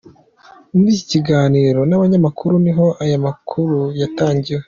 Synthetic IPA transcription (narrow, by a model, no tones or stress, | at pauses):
muɾiːci̥ciɡaːniːɾo̞naβaɲamakʰuɾuniɦo̞ʔajamakʰuɾujataːɲɟiwe